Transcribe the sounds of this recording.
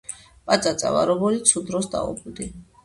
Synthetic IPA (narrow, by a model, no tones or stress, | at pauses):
pʼat̪sʼat̪sʼa̰va̰ɾɔbɔlit̪sʰud̪ɾɔsd̪a̰ṵbud̪i